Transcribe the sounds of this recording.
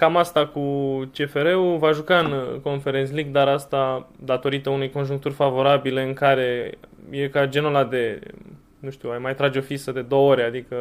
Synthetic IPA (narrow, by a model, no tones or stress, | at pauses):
kamast̪akut͡ʃe̞fe̞ɾe̞uvaʒukaɨnko̞nfe̞ɾesʲliɡd̪aɾast̪ad̪at̪o̞ɾit̪əunejko̞nʒuŋk̚t̪urʲfavo̞ɾabile̞ɨŋkaɾe̞je̞kad͡ʒe̞nolad̪e̞ | nuʃt̪uajmajt̪ɾad͡ʒeo̞fisəd̪e̞d̪o̞wooɾʲead̪ikə